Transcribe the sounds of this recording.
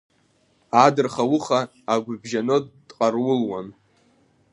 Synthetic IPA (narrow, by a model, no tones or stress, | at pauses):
adɨrχawʊχaː | ɡʷʊbʒanɨtʼqʼarwʊlwan